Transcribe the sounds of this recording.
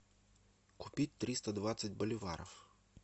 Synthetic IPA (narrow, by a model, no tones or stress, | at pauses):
kʊpʲitʲt̪ɾist̪ɐd̪ʋɑt͡sʲsʲɐtʲbɔlʲɪʋɑ̰ɾɔw